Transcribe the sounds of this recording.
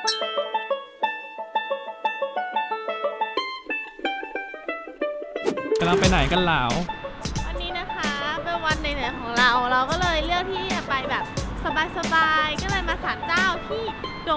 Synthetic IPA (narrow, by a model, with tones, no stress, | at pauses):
ka˧mla˧ŋpa˧jna˨˩˦jka˧nlaː˩˦wwa˧nːiː˦˥na˦˥kʰa˦˥pe˧nwa˧nːa˧˩jnɯ˨˩˦kʰɔː˩˦ɾa˧wɾa˧wkɔː˥˩lɤː˧jlɯ˥˩ək̚t̪ʰiː˥˩t͡ɕa˨˩pa˧jbɛː˨˩p̚sa˧baː˧jsa˧baː˧jkɔː˥˩lɤː˧jmaː˧saː˩˦nt͡ɕaː˥˩wt̪ʰiː˥˩do˨˩